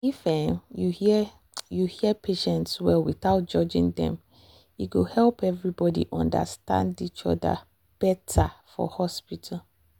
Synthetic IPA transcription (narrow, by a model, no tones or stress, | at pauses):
ifɛmjuh | juhiəpʰeʃɛ̃ntswɛwiθaʊt̚d͡ʒɔd͡ʒĩŋdɛ̰̃m | iɡohɛlˠpɛvɹibɔdḭʔɔ̃nda̰stã̰ndit͡ʃɔ̰da̰ | b̥ɛtʰafɔ̰hɔspitʰal